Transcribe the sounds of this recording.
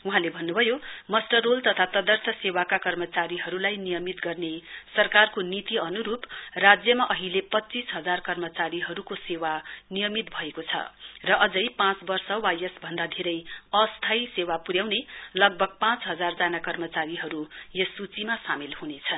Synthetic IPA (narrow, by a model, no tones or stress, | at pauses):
uɦãlebʱʌnːubʱʌjomʌsʈʌrolt̪ʌt̪ʰat̪ʌd̪ʌrt̪ʰʌsewakakʌrmʌt͡saɾiɦʌɾulajnijʌmit̪ɡʌrnesʌrkarkonit̪iʌnuɾuprad͡zjʌmaʔʌɦilepʌt͡sisɦʌd͡zarkʌrmʌt͡saɾiɦʌɾukosewanijʌmit̪̚bʱʌekot͡sʰʌ̰rʌʔʌd͡zʌjpãt͡sbʌrsʌwajesbʱʌnd̪ad̪ʱeɾʌjʌst̪ʰajsewapuɾjawnelʌɡ̚bʱʌɡ̚pãt͡sɦʌd͡zard͡zanakʌrmʌt͡saɾiɦʌɾujʌsut͡simasamilhunet͡sʰʌn